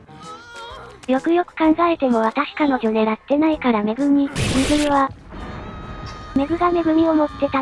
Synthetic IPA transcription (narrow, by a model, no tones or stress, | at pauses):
jʲo̞kɯ̟jo̞kɯ̟̥kãŋɡaɾe̞t̪e̞mo̞β̞at̪aɕi̥kano̞ɡʲo̞d̪eɾat̪ːe̞naikaɾame̞ɡɯ̟mʲimeɡɯ̟mʲiβa | me̞ɡɯ̟ɡame̞ɡɯ̟mʲio̞mo̞t̪ːe̞t̪a